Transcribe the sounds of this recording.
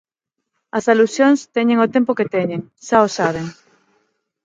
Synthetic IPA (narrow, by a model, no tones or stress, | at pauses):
ɐsalusjoŋst̪ɛɲẽŋot̪empʊket̪eɲeŋʃaosaβ̞eŋ